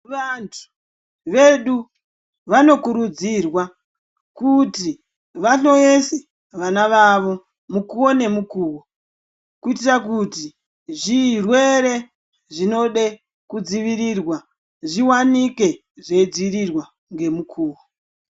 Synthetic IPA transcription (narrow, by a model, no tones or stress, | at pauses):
ʋantʰu̥ | ʋe̞ɗu | ʋano̞kuɾud͡zirwa | kuti | ʋaɬo̞jese | ʋanaʋaʋo̞ | mukuwo̞ne̞mukuːwo | kuitirak̬uti | ʐirwe̞ɾe̞ | ʐino̞ɗe | kud͡ziʋiɾirwa | ʐiwanike̞ | ʐe̞d͡ziɾirwa | ŋɡe̞mukʰuːwo